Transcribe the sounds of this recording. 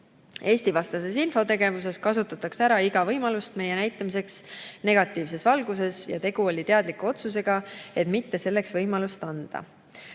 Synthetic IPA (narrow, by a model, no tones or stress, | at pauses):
e̞ːst̪ivɑst̪ɑse̞sinfo̞t̪e̞ɡ̥e̞vus̬e̞skɑsut̪ːˑɑt̪ːˑɑksæɾɑiɡ̥ɑvɤjmɑlust̪me̞jːe̞næjt̪ːˑɑmis̬e̞ksne̞ɡ̥ɑt̪ːˑiːvse̞svɑlɡ̥use̞sjɑ̰t̪e̞ɡ̥uo̞lʲit̪e̞ɑd̪̥likːuo̞t̪suse̞ɡ̥ɑe̞t̪mit̪ːe̞se̞lːe̞ksvɤjmɑlust̪ɑnd̪̥ɑ̰